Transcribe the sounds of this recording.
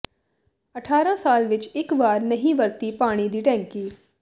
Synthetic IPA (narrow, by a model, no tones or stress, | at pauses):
əʈʰaːɾãːsaːlʋɪt͡ʃɪkʋaːɾnəɦĩːʋəɾt̪iːpaːɽ̃iːd̪iːʈɛ̃ːŋkiː